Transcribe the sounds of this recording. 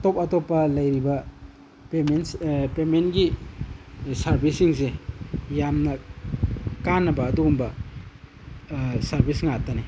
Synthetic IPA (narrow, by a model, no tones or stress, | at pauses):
top̚ɐtopːɐlɐjɾibɐ | pemenpementɡi | sɐɾbʱisiŋsejamnɐ | kanːɐbɐːduːmbɐ | sɐɾbʱisŋatːɐni